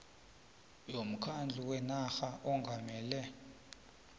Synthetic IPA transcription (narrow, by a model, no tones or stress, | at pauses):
jom̩kʰand͡ɮʱuwɛnaxaʔɔŋɡʱamɛːlɛ